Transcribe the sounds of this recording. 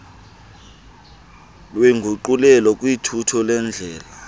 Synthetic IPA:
lweŋɡʱuǃulɛlɔkʼwitʰutʰɔlɛnd͡ɮʱɛːla

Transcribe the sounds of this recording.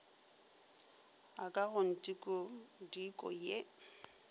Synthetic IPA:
akʼaɣʊn̩tʼikʼʊdikʼɔ̰je

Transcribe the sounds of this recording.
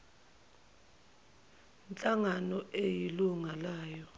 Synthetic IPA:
nt͡ɬʼaŋanɔʔejiluŋalaːjɔ

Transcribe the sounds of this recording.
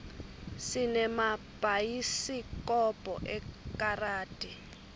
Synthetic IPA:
sinɛma | b̥ʱajisikʼɔb̥ʼʱɔ̰ʔɛkʼaraːd̥ʱʼi

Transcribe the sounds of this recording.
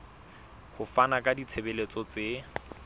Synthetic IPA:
hʊfanakʼadit͡sʰebelet͡sʼɔt͡se

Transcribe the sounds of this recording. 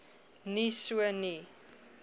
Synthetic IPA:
nisuəni

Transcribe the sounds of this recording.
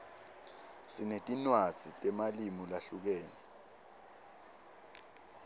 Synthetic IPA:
sinetʼinwad̥z̥ʱitʼɛmalimulaɬuk̬eːni

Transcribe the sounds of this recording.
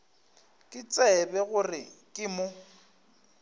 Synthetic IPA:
kʼɪt͡sʼɛbɛɣʊrɪkʼɪmʊ

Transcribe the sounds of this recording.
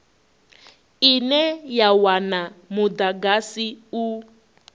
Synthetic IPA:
inɛjawanamud̪aɡasiu

